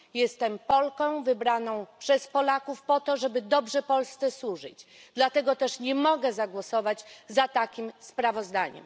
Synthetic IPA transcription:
jɛst̪ɛmpɔlkɔ̃w̃vɘbɾanɔ̃w̃pʂɛspɔlakufpɔt̪ɔʐɛbɘd̪ɔbʐɛpɔlst̪sɛswuʐɘt͡ɕd̪lat̪ɛɡɔt̪ɛʂɲɛmɔɡɛzaɡwɔsɔvad͡ʑzat̪akʲimspɾavɔzd̪aɲɛ̰m

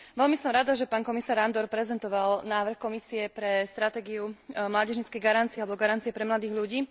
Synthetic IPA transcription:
ʋɛlmisɔmɾad̪aʒɛpaːnkɔmisaːɾand̪ɔɾpɾɛzɛnt̪ɔʋalnaːʋr̩xkɔmisiɛpɾɛst̪ɾat̪ɛːɡiumlaːɟɛʒɲit͡skɛjɡaɾantt͡siɛalɛbɔɡaɾantt͡siɪɛpɾɛmlad̪iːɣʎuɟiː

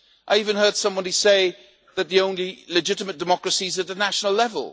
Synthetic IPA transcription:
ʔaɪivə̃nɦɜ˞d̥sʌ̃mwɒ̃nɨseɪ | ðɨt̪̚ðiõʊ̃nlilɨd͡ʒɪtɪmət̚d̥ɨmɒkɹəsizət̪̚ðənaʃənəlɛvə̰lˠ

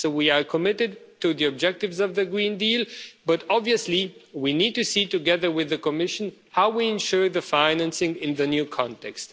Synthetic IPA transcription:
soʊwiə˞kʰəmɪɾɨd̚tɨðiɨb̚d͡ʒɛk̚tɨvzʌvðɨɡɹĩndilˠbʌɾɑbviɨsliwinid̚tɨsitɨɡɛðə˞wɪðɨkəmɪʃə̃n̩ | haʊwiɪ̃nʃʊɹðəfãɪnæ̃nsɪ̃ŋɪ̃nðɨnjʉkʰɑ̃ntɛkst

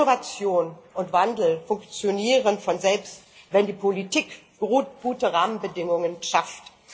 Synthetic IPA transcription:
ovat͡sjoːnʔʊntv̥andl̩fʊŋkt͡sjoniːʁənfɔnzɛlpst | vɛndiːpʰolitiːk | ɡ̥ʁuɡ̥uːtəʁaːmənbədɪŋʊŋənʃaft

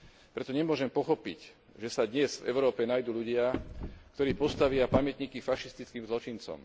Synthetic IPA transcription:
pɾɛt̪ɔɲɛmʊɔʒɛmpɔxɔpḭc | ʒɛsad̪ɲɛzvɛ̰ʊɾɔːpɛnajd̪uːʎuɟɪakt̪ɔɾiːpɔst̪aʋɪapamjɛt̪ɲiːkifaʃist̪it͡skiːmzlɔt͡ʃint͡sɔ̰m

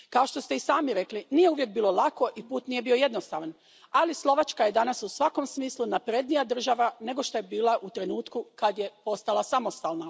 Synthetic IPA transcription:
kao̞ʃt̪o̞st̪e̞isaːmiɾe̞klinije̞uʋjek̚biːlolˠako̞ʔipuːt̪nije̞bio̞je̞d̪no̞st̪a̰ʋan | alislˠo̞ʋat͡ʃkaje̞d̪anasusʋako̞msmiːslunapɾed̪nijad̪r̩ʒaʋane̞ɡo̞ʃt̪o̞je̞biːlˠaʔut̪ɾe̞nuːt̪kukad̪je̞po̞st̪alˠasamo̞st̪aːlˠna

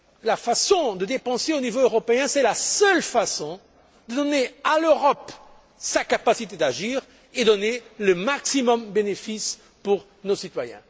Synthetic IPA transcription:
lafasɔ̃d̪əd̪epɑ̃seonivoøʁɔpeɛ̃sɛlasœlfasɔ̃ | d̪əd̪ɔnealøʁɔp | sakapasit̪ed̪aʒiːʁ | ed̪ɔneləmaksimɔmbenefis | puʁ | nosit̪wajɛ̰̃

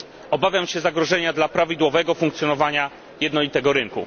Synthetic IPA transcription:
ɔbavʲjamɕɛzaɡɾɔʐɛɲad̪lapɾavʲid̪wɔvɛɡɔfuŋk̚t̪sjɔnɔvaɲa | jɛd̪nɔlʲit̪ɛɡɔɾɘŋkṵ

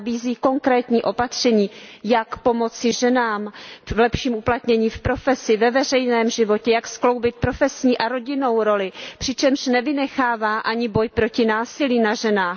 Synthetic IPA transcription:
biːziːko̞ŋkɾɛːt̪ɲiːʔo̞pat̪r̝̥ɛɲiːjakpo̞mo̞t͡sɪʒɛnaːmvlɛpʃiːmuplat̪ɲɛɲiːfpɾo̞fɛsɪvɛvɛr̝ɛjnɛːmʒɪvo̞cɛjaksklo̞wbɪt̪̚pɾo̞fɛsɲiːʔaɾo̞ɟɪno̞wɾo̞lɪpr̥ɪt͡ʃɛmʃnɛvɪnɛxaːvaːʔaɲɪbo̞jpɾo̞cɪnaːsɪliːnaʒɛnaːx

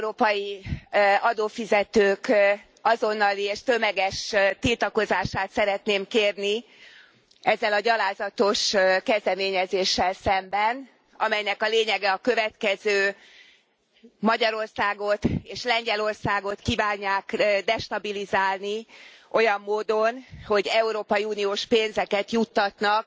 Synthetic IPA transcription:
ɛɾoːpɒji | ɒd̪oːfizɛt̪øːk | ɒzo̞nːɒlieːʃt̪ø̞mɛɡɛʃt̪ilt̪ɒko̞zaːʃaːt̪sɛɾɛt̪neːmkeːrni | ɛzːɛlɒɟɒlaːzɒt̪o̞ʃkɛzd̪ɛmeːɲɛzeːʃːɛlsɛmbɛn | ɒmɛjnɛkɒleːɲɛɡɛɒkø̞vɛt̪kɛzøː | mɒɟɒɾo̞rsaːɡo̞t̪eːʃlɛɲɟɛlo̞rsaːɡo̞t̪kiːvaːɲːaːkd̪ɛʃt̪ɒbilizaːlniʔo̞jɒmːoːd̪o̞nho̞ɟɛuɾoːpɒjiuːnioːʃpeːnzɛkɛt̪jut̪ːɒt̪nɒk̚

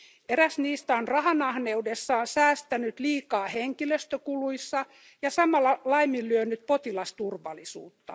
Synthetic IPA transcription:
eɾæsniːst̪æonrɑhɑnɑhneudesːɑonsæːst̪ænyt̪liːkɑːheŋkiløst̪økuluisːɑ | jɑsɑmɑlːɑlɑimːillyønyt̪̚pot̪ilɑst̪urʋɑ̰lisṵːt̪ːɑ̰

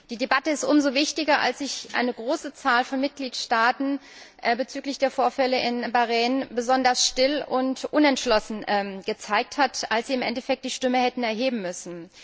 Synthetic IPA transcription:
d̥iːdebatəɪstʔʊmzovɪçtɪɡɐʔa̰lsz̥ɪçʔa̰ɪnəɡʁoːsət͡saːlfɔnmɪt̚ɡ̥liːtʃtaːtn̩ʔbət͡syːklɪçd̥eːɐfoːɐfɛləʔɪnbaʁɛːnbəzɔndɐsʃtɪlʊntʔʊnɛntʃlɔsn̩ɡ̥ət͡saɪk̚thatalsz̥iːɪmʔɛ̰ntɛfɛk̚t̚d̥iːʃtʏməhɛtn̩ɛɐɦeːbm̩mʏsn̩

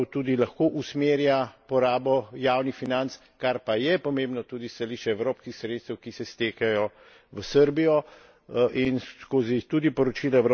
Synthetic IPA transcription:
t̪uːd̪ilɐxkoːʔusmeːɾjapɔɾaːbɔjaːwnixfinant̪s | kaɾpajɛpɔmẽːmbnɔt̪uːd̪ist̪aliːʃt͡ʃɛɛwɾoːpskixsɾeːt̪st̪əwkisɛst̪eːkajɔ | ʋəsəɾbijɔ | ʔinskoːzit̪uːd̪ipɔɾɔt͡ʃiːlaɛɾ

